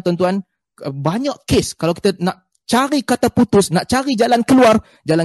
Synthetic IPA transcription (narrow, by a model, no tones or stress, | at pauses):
t̪ɔnt̪uan | baɲaʔkeskalawki̥t̪ənaʔ | t͡ʃaɾikat̪aput̪ʊsnaʔt͡ʃaɾid͡ʒalankəluar | d͡ʒala